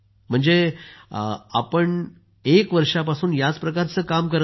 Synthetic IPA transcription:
m̤əɳd͡ze | a̰pəɳ | ekʋəɾʂapasuːnjat͡spɾəkaɾt͡səːkamkəɾə

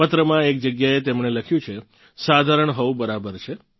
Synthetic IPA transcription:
ət̪ɾəmãekd͡ʒəɡjaet̪emɳeləkʰjũt͡ʃʰe | sad̪ʱaɾəɳɦəʋũbəɾabəɾt͡ʃʰe

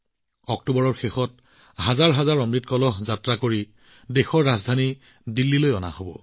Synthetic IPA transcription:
ɔk̚tubɔɹɔɹxexɔt̚ | hazaɹɦazaɹɔmɹitkɔlɔɦzatɹakoɹi | dexɔɹːazdʱani | dilːilojɔna̰hobɔ̰

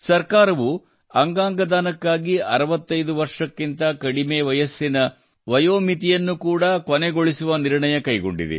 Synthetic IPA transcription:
sɐɾkaːɾɐʋu | ɐŋɡaːŋɡɐd̪aːnɐkːaːɡiɐɾɐʋɐt̪ːɐjd̪uʋɐɾʂɐkːint̪ɐkɐɽimeːʋɐjɐsːinɐ | ʋɐjoːmit̪ijɐnːukuːɽɐkoneɡo̞ɭisuʋɐniɾɳɐjɐkɐjɡo̰ɳɖḭd̪ḛ

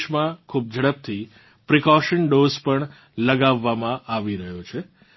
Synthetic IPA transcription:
ʃmãkʰub̚d͡ʒʱəɽəp̚t̪ʰi | pɾikɔʃənɖozpəɳ | ləɡaʋːamãʔaʋiɾəɦjot͡ʃʰe

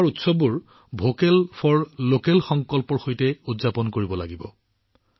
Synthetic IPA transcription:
ɹutsɔbuɹ | bʱokɛlpʰɔɹlokɛlxɔŋkɔlpɔɹxojtɛudzapɔnkoɹibɔlaɡibɔ

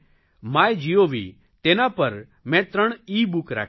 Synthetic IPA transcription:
maːjd͡ʒijobʱḭː | t̪eːnãpɐɾ | mɛ̃ːt̪ɾəɽ̃iːbʊkɾa̰ːk

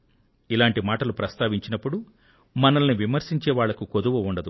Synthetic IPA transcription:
ilaːɳʈimaːʈɐlupɾɐst̪aːʋiɲt͡ʃinɐpːuɽu | mɐnɐlɐniʋimɐɾsiɲt͡ʃɛːʋaːɭːɐkukod̪uʋuuɳɖɐd̪u

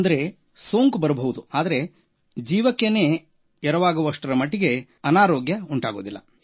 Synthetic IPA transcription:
nd̪ɐɾe̞ | so̞ːŋkbɐɾɐbʱɐʋud̪uaːd̪ɐɾe̞ | d͡ʒiːʋɐkːene̞ː | ɛɾɐʋaːɡuʋɐʂʈɐɾɐmɐʈːiɡe̞ | ɐnaːɾoːɡjɐuɳʈaːɡo̞ːd̪ilːɐ̰

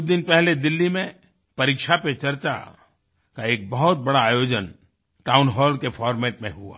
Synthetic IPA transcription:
d̪ɪnpɛɦled̪ɪlːimẽ | pɐɾikʃapet͡ʃɐɾt͡ʃa̰ | kaeːk̚bɐɦʊt̪̚bɐɽaːjoːd͡ʒən | ʈaːʊnɦɔːlkefʰɔːɾmɛːʈmẽɦua̰ː

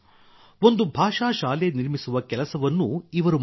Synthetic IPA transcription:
o̞nd̪ubʱaːʂaːʃaːleniɾmisuʋɐkɛlɐsɐʋɐnːuiʋɐɾum

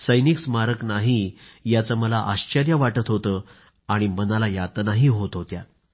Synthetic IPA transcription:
səjniksmaɾəknaɦijat͡saməlaʔaɕt͡ɕəɾjəʋaʈət̪ɦot̪əː | aɽ̃imənalajat̪naɦiɦot̪ɦot̪ja

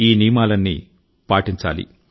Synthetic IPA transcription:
iːniːmaːlɐnːḭ | paːʈiɲt͡ʃa̰ːlḭ

